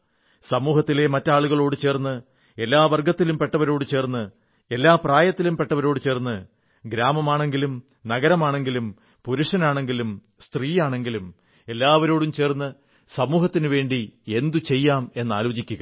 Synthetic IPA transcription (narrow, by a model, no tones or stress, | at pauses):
sɐmuːɦɐt̪ːile̞mɐtːaːɭuɣɐɭo̞ːɽɨt͡ɕe̞ːrnːɨ | e̞lːaːʋɐrɡɐt̪ːilumpeʈːɐʋɐɾo̞ːɽɨt͡ɕe̞ːrnːɨ | e̞lːaːpraːjɐt̪ːilumpe̞ʈːɐʋɐɾo̞ːɽɨt͡ɕe̞ːrnːɨ | ɡɾaːmɐmaːɳe̞ŋɡilum | nɐɣɐɾɐmaːɳe̞ŋɡilum | puɾuʂɐnaːɳe̞ŋɡilum | st̪riːjaːɳe̞ŋɡilum | e̞lːaːʋɐɾo̞ːɽumt͡ɕe̞ːrnːɨ | sɐmuːhɐt̪ːinɨʋe̞ːɳɖie̞nd̪ut͡ɕe̞jːaːme̞nːa̰ːlo̞ːt͡ɕikʲːuɣɐ